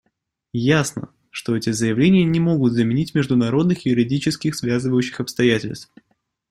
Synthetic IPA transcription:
jasnə̰ | ʂt̪o̞ɛtʲɪzəjɪvlʲenʲɪjənʲɪmo̞ɡʊt̪zəmʲɪnʲitʲmʲɪʐd̪ʊnɐɾo̞d̪nɨxjʊɾʲɪdʲit͡ɕɪskʲɪxsvʲazɨvəjʉɕːɪxɐpst̪ɐjætʲɪ̰lʲst̪f

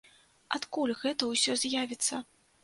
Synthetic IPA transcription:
at̪kulʲɣɛt̪ɐwsʲɔzʲjavʲit̪sːɐ

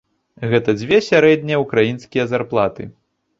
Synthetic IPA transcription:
ɣɛt̪ɐd͡zʲvʲɛsʲaɾɛd̪ʲnʲɛjɛukɾajinskʲijɛɐzarplˠat̪ɨ

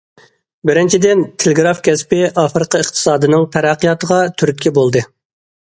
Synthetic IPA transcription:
bɪɾɪnt͡ʃʰid̪ɪnt̪ʰelɪɡɾɑfkʲʰɛspɪɑfɾɨqʰəəχt̪ʰɨ̥sɑːd̪ɨnɨŋt̪ʰɛɾɑqijɑt̪ʰəʁɑt̪ʰyɾyt̪̚ʲkʲʰɛbolˠd̪ɨ

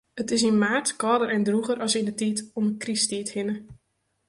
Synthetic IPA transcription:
ətɪs̬inmaːrtkɔːdəɾɛndruɣəɾʔɑsindətitɔməkristithɪnə

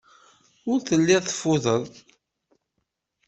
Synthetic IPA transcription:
ʊɾθəlːiθə̥fːʊðˤəðˤ

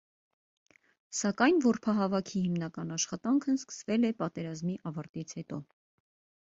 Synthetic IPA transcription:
sɑkɑjnvɔɾpʰɑɦɑvɑkʰihimnɑkɑnɑʃχɑt̪ɑŋkʰəskə̥svɛlɛpɑt̪ɛɾɑzmiʔɑvɑɾt̪it͡sʰhɛt̪ɔ

